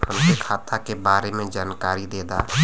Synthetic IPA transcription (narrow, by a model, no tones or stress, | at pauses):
həmsekʰaːt̪akebaːɾemẽd͡ʒaːnkaːɾid̪eːd̪aː